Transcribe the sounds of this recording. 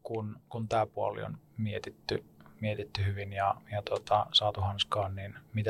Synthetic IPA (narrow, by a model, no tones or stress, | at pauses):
kunkunt̪æːpuɑ̰lḭo̰n | miet̪it̪ːymiet̪it̪ːyhyʋinjɑjɑt̪ot̪ɑ̰sɑːt̪uhɑnskɑːnninmit̪æ